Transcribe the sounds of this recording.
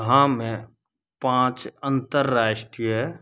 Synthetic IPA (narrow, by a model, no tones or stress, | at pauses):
ɦãmẽ | pãːt͡ʃə̃nt̪əɾːaːʃʈijɦɛ